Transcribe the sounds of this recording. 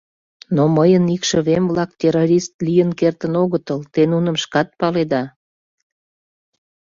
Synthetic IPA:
noməjənikʃəβemβlɑk̚t̪ʲeɾoɾʲist̪lijənkert̪ənoɣət̪əlt̪enunəmʃkɑt̪̚pɑled̪ɑ

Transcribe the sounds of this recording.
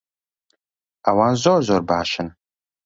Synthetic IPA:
awaːnzoːrzorbaːʃɪn

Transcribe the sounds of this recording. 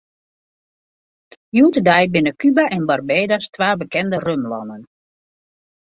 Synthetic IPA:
juːtədajbɪnəkybaʔɛnbarbeːdastʋaːbəkɛndərømlɔ̰nən

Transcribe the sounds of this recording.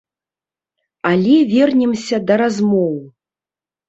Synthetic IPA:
alʲɛvʲɛrnʲɛmsʲɐd̪ɐɾazmɔw

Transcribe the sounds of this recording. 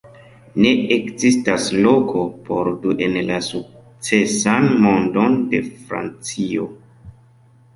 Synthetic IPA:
ne̞ekzistaslokʰo̞pʰoɾduʔenlasuk̚ | t͡sesanmo̞ndonde̞fɾa̰nt͡sio

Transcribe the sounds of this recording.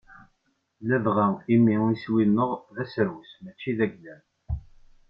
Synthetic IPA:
læðʁæθimiiswilnəʁðæsəɾwəsmæt͡ʃːiðæɡlæn

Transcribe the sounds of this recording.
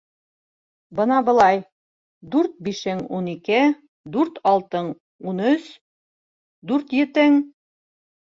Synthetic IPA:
bɤ̆nɑbɤ̆lˠɑj | d̪ʉɾt̪̚biʃɘŋunikɘ | d̪ʉɾt̪ɑlˠt̪ɤŋ | unɵs | d̪ʉɾt̪jɘ̆t̪ɘŋ

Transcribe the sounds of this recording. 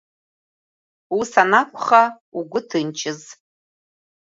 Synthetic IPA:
wisanakʷʰʼχa | uɡʷʊtʰɨnt͡ʃʰʼɪz

